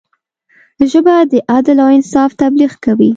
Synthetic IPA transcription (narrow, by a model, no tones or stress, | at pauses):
ʒəbad̪əʔad̪ɪlawɪnsɑft̪abliɣkawi